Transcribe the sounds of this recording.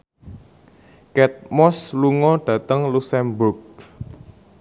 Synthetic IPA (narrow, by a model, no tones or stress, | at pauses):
kɛt̪̚mɔsluŋɔɖ̥ä̤t̪əŋlusɛmbʊrk̚